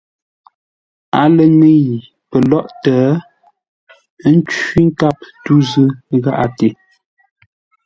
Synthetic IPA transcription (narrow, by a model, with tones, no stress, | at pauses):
a˨lə˨ne˦˨ | pə˨lɔ˦ʔtɛː˨˦ | n̩˦t͡ʃi˦ŋ̩˦ka˦p̚tu˦zɨ˦ɣa˦ʔa˨te˨